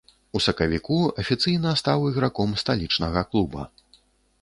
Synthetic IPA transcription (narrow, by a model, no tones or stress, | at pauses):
usɐkɐvʲikuɐfʲit̪sɨjnɐst̪awiɣɾakɔmst̪alʲit͡ʂnɐɣɐklˠubɐ̰